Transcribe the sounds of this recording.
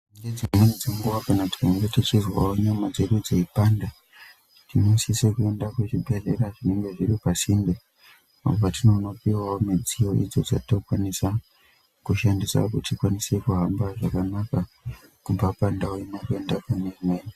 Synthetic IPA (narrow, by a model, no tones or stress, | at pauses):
ed͡zimenid͡zeŋɡuʋakanati̥kaŋotit͡ʃizwa̰woɲamad͡ze̞ɗud͡zeipanda | tʰimisise̞kue̞ndakweʐibʱe̞ɮe̞̰ɾaʐineŋɡe̞ʐiɾipasimbe | a̰opatino̞no̞piwaomed͡zijo̞ʔḭd͡zo̞d͡za̰tokwanisa | kuʃandisa̰kutikwanise̞kuɦambaʐakanakakub͡vapandaoimake̞ndakenermeːn